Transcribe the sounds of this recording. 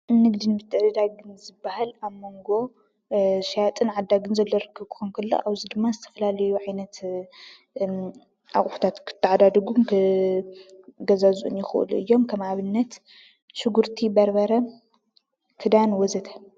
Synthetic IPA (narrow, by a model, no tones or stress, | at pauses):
nɨɡd̪inbɨt̪ʰːɨd̪ɐd̪aɡɨnzɨbːahalaβmo̞ŋɡo̞ | ʃjat̪ʼɨnʕad̪ːaɡɨnzɐlːoɾɨkʰːɐβkʰɨ̥xonkʰɐlːo̰ʔaβzid̪ɨmːazɨt̪ʰɐ̥fɐlalɐjuʕajnɐt̪ | ʔa̰χʼħu̥t̪ʰat̪kʰɨ̥t̪ʰːɨʕad̪ad̪ɐɡumkʰɨ | ɡɐzazuʔṵnjɪxʔɨ̰luɨjːo̞mkʰɐmaβɨnːɐt̪ | ʃɨɡuɾt̪ʰibɐɾbɐɾɐ | kʰɨd̪anwɔzɐt̪ʰḁ